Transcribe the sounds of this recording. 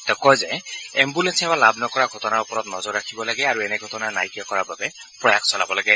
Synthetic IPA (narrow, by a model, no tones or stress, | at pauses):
t̪ɛkɔjzɛɛmbulensɛbalabnɔkɔɹaɡʱɔtɔnaɹupɔɹɔt̪nɔzɔɹːakʰibɔlaɡɛaɹuɛnɛɡʱɔtɔnanajkjɔkɔɹababɛ | pɹɔjakʰsɔlabɔlaɡɛ